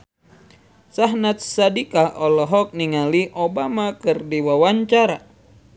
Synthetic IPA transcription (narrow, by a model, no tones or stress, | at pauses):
saɦnat̪̚sadikaɔlɔɦɔk̚niŋaliʔobamakɨrdiwawaɲt͡ʃaɾa